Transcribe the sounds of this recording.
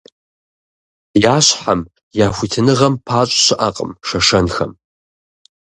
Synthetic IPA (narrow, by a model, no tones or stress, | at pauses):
jaːɕħam | jaːxʷitʰɨnɨʁɐmpʰaːt͡ʃʷʼɕɪʔaqʼə̰mʂɐʂɐnxɐ̰m